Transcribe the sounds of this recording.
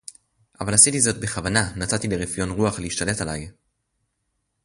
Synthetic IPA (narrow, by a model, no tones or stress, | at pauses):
ʔavalhasitizo̞t̚be̞χavananatat̪ileʁefjo̞nʁuaχleiʃt̪ale̞talaj